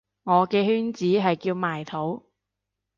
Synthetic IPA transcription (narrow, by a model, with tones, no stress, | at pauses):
ŋɔː˨˧kɛː˧hyː˥nt͡siː˨˥ɦɐ˨jkiː˧wmaː˨˩jt̪ʰo˨˥w